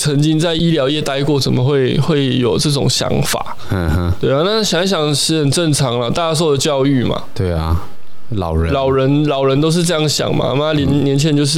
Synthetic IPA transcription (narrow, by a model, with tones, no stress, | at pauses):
t͡sʰə˧˥ŋt͡ɕi˥ŋt͡sa˥˩ɪi˥ljɑ˧˥ʊjɛ˥˧t̪a˥˧ɪkwɔ˥˩t͡sə˨nmə˨˦xwe˥˩ɪxwe˥˩ɪjo˨˩ʊʈ͡ʂɤ˥˩ʈ͡ʂʊ̰˨˩ŋɕjɑ̰˧˥ŋfa̰˨˩˦ | t̪we˥˩ɪ˨˩na˥˩ɕjŋɕjɑ˨˩ŋʂɻ̩˥˩xə˨˩nʈ͡ʂə˥˩nʈ͡ʂʰɑ˧˥ŋlə˧t̪a˥˧a˥swɔ˥˩də˩t͡ɕjɑ˥˧ʊy˥˩ma̰˨˩t̪we˥˩ɪa̰˩ | lɑ̰˨˩ʊɻlɑ˨˩ʊɻə˧˦nlɑ˨˩ʊɻə˧˦nt̪o˥ʊʂ̬̩˥˧ʈ͡ʂɤ˥˧jɑ˥˩ŋɕjɑ̰˨˩ŋma̰˨˥˩m˧˦na˥lɛ˧˥nnjɛ˧˦nt͡ɕʰɛ˧˥˦nt͡ɕjo˥˧ʊʂ̬ɻ̩˥˩